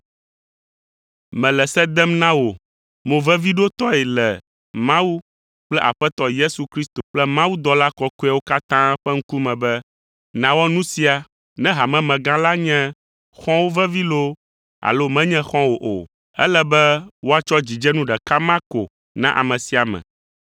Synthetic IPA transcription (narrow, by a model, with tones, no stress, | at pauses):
mɛ̃˨lɛ˨sɛ˦d̪ɛ˦mnã˦wo˨ | mõ˨vɛ̃˦vi˦ɖo˦t̪ɔ˦ɛ˨lɛ˨ | mã˦wu˦ | k͡plɛ˦ʔa̰˨ɸɛ˦t̪ɔ˦je˦su˨kɾi˦st̪o˨k͡plɛ˦mã˦wu˦d̪ɔ˨˦la˦kɔ˦ku˦a˦wo˦ka˦t̪ã˦ɸɛ˦ŋ̩˦ku˦mɛ̃˨bɛ˦ | nã˨wɔ˦nũ˦si˨˦a˨ | nɛ̃˦ɦa˨mɛ̃˨mɛ̃˨ɡã˦la˦ɲɛ̃˦ | xɔ̃˦wo˦vɛ˦vi˦lo˦ | a̰˨lo˦mɛ̃˦ɲɛ̃˦xɔ̃˦wo˨ʔo̰˨ | ɛ̰˦lɛ˦bɛ˦wo˦a˨t͡ʃɔ˦d͡ʑi˨d͡ʒɛ˦nũ˦ɖɛ˨ka˦mã˦ko̰˨ | nã˦ʔa̰˨mɛ̃˨si˨a˨mɛ̰̃˨